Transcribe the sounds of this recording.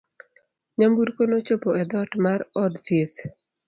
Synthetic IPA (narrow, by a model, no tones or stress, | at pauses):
ɲambuɾkonot͡ʃopoʔɛd̪ɔtmaɾɔdt̪et̪